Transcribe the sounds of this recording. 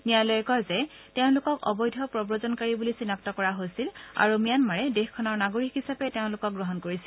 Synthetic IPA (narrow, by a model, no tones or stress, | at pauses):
nijalɔjkɔzɛ | teʊ̃lʊkɔkɔ̰bɔjdʱɔpɹɔbɹɔzɔnkaɹibulisinaktɔkɔɹaɦojsila̰ɹumijanmaɹɛdexkʰːɔnɔɹnaɡoɹikɦisapɛteʊ̃lʊkɔk̚ɡɹɔɦɔnkoɹisi